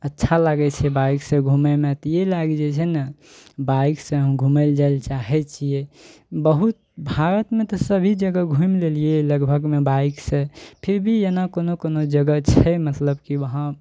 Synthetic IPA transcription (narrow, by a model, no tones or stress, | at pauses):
ətːʃʰalaɡɛt͡ʃʰɛbajksẽɡʱumemet̪ɔjelaɡd͡ʒɛt͡ʃʰɛnə | baiksẽɦəmɡʱuməld͡ʒaelt͡ʃaɦɛt͡ʃʰie | bəɦut̪̚bʱaɾət̪met̪ɔsəbʱid͡ʒəɡəɡʱumlelieləɡbʱəɡmebaiksẽpʰiɾbʱijenakonokonod͡ʒəɡət͡ʃʰɛmət̪ləbkiʋəɦã